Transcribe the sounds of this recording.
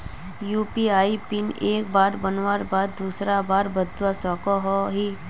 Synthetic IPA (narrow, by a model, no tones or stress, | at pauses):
juːpiaːipɪneːk̚baːɾbənʋaːɾbaːd̪ːuːsɾabaːɾbəd̪ʋasɔːkoɦoɦiː